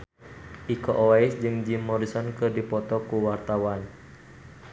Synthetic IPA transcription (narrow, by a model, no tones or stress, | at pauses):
ʔikɔʔɔaɪsd͡ʒɨŋd͡ʒimːɔɾisɔnkɨrdipɔt̪ɔkuwart̪awan